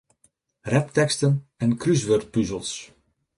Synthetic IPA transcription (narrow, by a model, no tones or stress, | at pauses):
rɛptɛkstənɛnkrys̬ʋørt̚pyzəlˠs